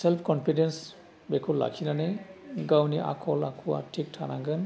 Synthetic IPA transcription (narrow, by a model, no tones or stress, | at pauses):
sɛlpʰkɔnpʰidens | bekʰulla̰kʰinanaɡawniʔa̰kʰɔlakʰua̰tʰik̚tʰanaɡɯn